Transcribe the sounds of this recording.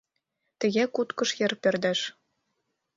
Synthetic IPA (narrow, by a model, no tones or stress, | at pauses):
t̪ɘ̆ɣʲækut̪kɤ̆ʃjɘ̆rpɘ̆rd̪æʃ